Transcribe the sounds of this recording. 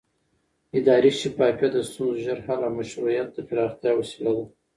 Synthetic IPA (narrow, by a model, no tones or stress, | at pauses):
ɪd̪ɑɾiʃipɑkjad̪əst̪unzʒəɾhalamaʃɾujat̪̚d̪əfɪɾɑχt̪jɑwasilad̪a